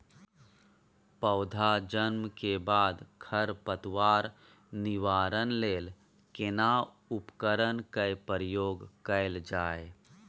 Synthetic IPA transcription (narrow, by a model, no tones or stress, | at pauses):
pəʊd̪ʱad͡ʒənmkebaːd̪kʰəɾpət̪waːɾ | nɪʋaːɾənleːl | kɪna | ʊpkəɾənkəpəɾɪjoːɡkəɪld͡ʒaːe